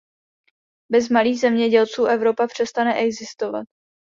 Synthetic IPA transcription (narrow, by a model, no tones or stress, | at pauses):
bɛzmaliːɣzɛmɲɛɟɛlt͡suːʔɛvɾo̞papr̝̥ɛst̪anɛʔɛɡzɪst̪ova̰t̪̚